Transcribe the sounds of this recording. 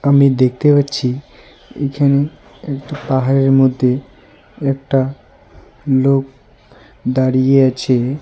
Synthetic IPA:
amid̪ek̚t̪epatːt͡ɕʰi | ekʰane | ɛkʈapaɦaɾeɾmod̪ʱːe | ɛk̚ʈa | lok̚ | d̪aɽijeat͡ɕʰe

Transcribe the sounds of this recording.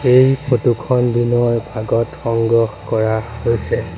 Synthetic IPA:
ejpʰotukʰɔnbinɔjbʱaɡɔtxɔŋɡɔxkɔɹahojsɛ

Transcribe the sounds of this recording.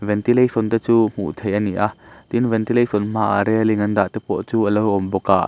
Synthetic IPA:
vɛnt̪ilejsɔnt̪ɛt͡suːm̥ṵʔt̪ʰejʔɐniʔat̪invɛnt̪ilejsɔnm̥aʔa̰ɾɛliŋɐnd̪aʔt̪ɛpɔ̰t͡suːʔəlowʔɔmbɔka̰ʔ

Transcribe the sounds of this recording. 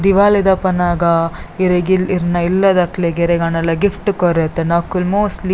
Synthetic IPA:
d̪iʋaːlid̪ɐpɐnaːɡɐiɾeɡiliɾnɐilːɐd̪ɐkleɡeɾeɡɐnɐlːɐɡifʰʈukoɾet̪ːenaːkulmoːsʈli

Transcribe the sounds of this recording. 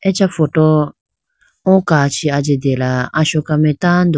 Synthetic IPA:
ɛt͡ʃafɔtɔ | ɔ̃kat͡ʃiad͡ʒedɛlaaʃɔkamɛtand̪ɔ

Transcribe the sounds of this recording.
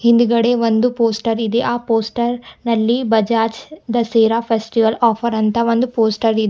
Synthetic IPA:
hind̪uɡɐɽeʋond̪upoːsʈɐɾid̪eʔaːpoːsʈɐɾnɐlːibɐd͡ʒaːt͡ʃd̪ɐseːɾaːpʰesʈiʋɐlaːpʰɐɾɐnt̪ɐʋond̪upoːsʈɐɾid̪e

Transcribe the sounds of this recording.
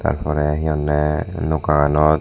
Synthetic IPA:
t̪a̰ɾpʰɔɾɛɦiɔnːɛnokaanɔ

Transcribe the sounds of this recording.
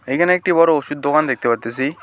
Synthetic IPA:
ejkʰaneɛk̚ʈibɔɾoosud̪̚ːokand̪ek̚t̪epat̪ːesi

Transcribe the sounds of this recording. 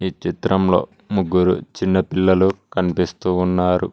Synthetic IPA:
iːt͡ʃit̪ɾʔɐmlo̞̰ː | muɡːuɾṵt͡ʃinːɐpilːɐlukɐnipist̪uːnːaːɾṵ

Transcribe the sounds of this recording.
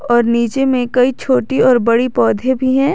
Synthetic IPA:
ɔːɾniːt͡ʃemẽkɐit͡ʃʰoːʈiɔːɾbɐɽipɔːd̪ʱebʱiɦɛ̃ː

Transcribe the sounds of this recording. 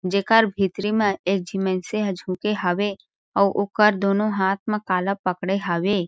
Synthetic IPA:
d͡ʒeːkəɾbʱiːt̪ɾimẽeːk̚d͡ʒʱimenseɦəd͡ʒʱũːkeɦəʋe | ɔːʔoːkəɾd̪oːnõɦaːt̪̚ʰmẽkaːləpːəkɽeɦəʋeː

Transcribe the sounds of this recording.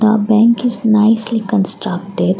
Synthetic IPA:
d̪əbɛ̃ŋkɪznaɪslikə̃nsʈɾʌk̚ʈɪɖ

